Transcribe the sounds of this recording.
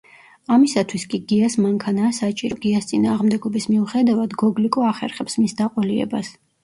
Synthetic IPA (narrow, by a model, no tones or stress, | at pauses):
amisat̪ʰwiskʼiɡiasmaŋkʰanaːsat͡ʃʼiɾɔɡiast̪sʼinaːʁmd̪ɛɡɔbismiuχɛd̪avad̪ɡɔɡlikʼɔaχɛ̰ɾχɛpsmisd̪aqʼɔliɛ̰ba̰s